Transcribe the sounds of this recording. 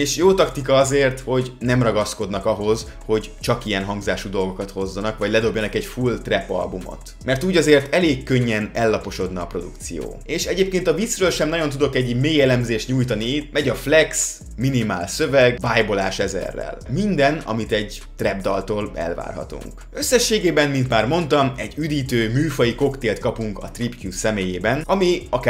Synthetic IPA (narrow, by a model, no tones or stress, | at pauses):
eːʃjoːt̪ɒkt̪ik̬ɒɒzeːrt̪ho̞ɟnɛmrɒɡɒsko̞d̪nɒkɒɦo̞z | ho̞ɟ | t͡ʃɒkijɛnɦɒŋɡzaːʃud̪o̞lɡo̞kɒt̪ho̞zːɒnɒkʋɒɟlɛd̪o̞bjɒnɒkɛɟfult̪rɛpɒ̰lbumo̰t̪ | mɛrt̪uːɟɒzeːrt̪ɛleːkːøɲːɛnɛlːɒpo̞ʃo̞d̪nɒːpro̞d̪ukt̪sijo̰ːeːʃɛɟeːp̚keːnt̪ɒvit̪srøːlʃɛmnɒɟo̞nt̪̬ud̪o̞kɛɟmeːjɛlɛmzeːʃt̪ɲuːjt̪ɒniit̪̚mɛɟɒflɛks | minimaːlsø̞vɛɡvaːjbo̞laːʃɛzɛ̰rːɛ̰lmind̪ɛnɒ̰mit̪ɛɟ | t̪rɛbd̪ɒlt̪oːlɛ̰lva̰ːrɦɒ̰t̪ṵŋk | ø̞sːɛʃːeːɡeːbɛmmint̪maːrmo̞nt̪ɒmɛɟyd̪iːt̪øːmyːfɒjiko̞kt̪eːlt̪kɒpuŋkɒt̪ripkjusɛmeːjeːbɛnɒmiɒkː